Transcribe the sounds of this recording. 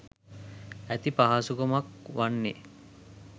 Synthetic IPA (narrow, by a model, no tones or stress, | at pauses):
æt̪ipaɦasukomakʋanːe